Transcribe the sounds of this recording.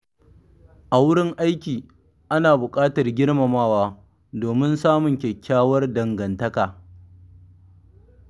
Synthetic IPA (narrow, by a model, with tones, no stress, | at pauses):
ʔa˨wʊ˦ɽɪ˦ŋʔa˦jkʲiː˨ | ʔa˦naː˨bʊ˨kʼaː˦tɐ˨rɡʲɪ˦rmɐ˨maː˦waː˦ | doː˨mɪ˦nsaː˦mʊ˨ŋkʲɛ˨kʲʰːaː˦wɐ˦rdɐ˨ŋɡɐ˨ntɐ˦kaː˨